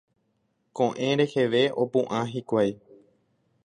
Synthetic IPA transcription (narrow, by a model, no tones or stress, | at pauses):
kõʔẽɾe̞he̞ʋe̞o̞pũʔãɦikʷaj